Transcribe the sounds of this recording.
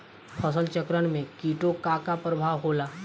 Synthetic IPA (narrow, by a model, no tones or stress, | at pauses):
pʰəsəlt͡ʃəkɾəɽ̃mẽkiːʈokaːkapɾəbʱaːʋɦoːlaː